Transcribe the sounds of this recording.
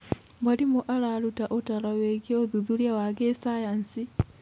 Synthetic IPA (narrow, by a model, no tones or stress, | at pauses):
baɾimuʔaɾaɾutaʔotaɾaweɡieoðuðuɾjawaɡesajansi